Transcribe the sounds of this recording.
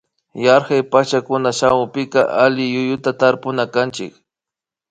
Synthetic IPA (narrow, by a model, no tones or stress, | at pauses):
jaɾxajpat͡ʃakʊnaʃawʊpɪka̰ʔalɪjʊjʊt̪at̪aɾpʊnakant͡ʃɪ̰k